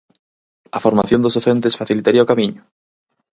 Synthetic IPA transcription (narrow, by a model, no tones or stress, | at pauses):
ɐfoɾmaθjõnd̪ozoθent̪esfaθilit̪aɾiaokamiɲʊ